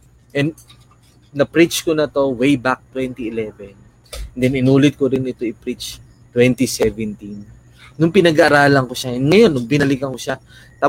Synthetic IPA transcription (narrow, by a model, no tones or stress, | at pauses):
ʔɛnd̪ | nɐpɾit͡ʃkonɐt̪o̞wejbak̚t̪wɛnt̪iɪlɛːvɛn | d̪ɛnɪnuːlɪt̪̚koɾɪnɪt̪o̞ɪpɾit͡ʃ | t̪wɛnt̪isɛvɛnt̪inː | ʊŋpɪnɐɡɐʔɐɾaːlɐŋkoʃaɛnŋɐjo̞nːʊŋbɪnɐlɪkɐŋkoʃa | t̪a